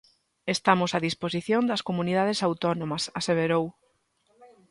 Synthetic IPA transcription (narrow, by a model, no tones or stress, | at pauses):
est̪amosaðisposiθjond̪ɐskomunið̞aðesawt̪ɔnomɐsaseβeɾow